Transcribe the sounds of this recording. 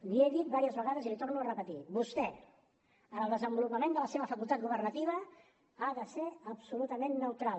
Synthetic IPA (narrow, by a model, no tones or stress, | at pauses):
lieðit̪̚baɾiəzβəɣaðəzilit̪ornuərəpət̪ibust̪ɛ | ənəlˠd̪əzəmbulupəmẽnd̪ələseβəfəkulˠt̪at̪̚ɡuβ̞ərnət̪iβ̞ə | aðəseəpsulut̪əmenːəwt̪ɾal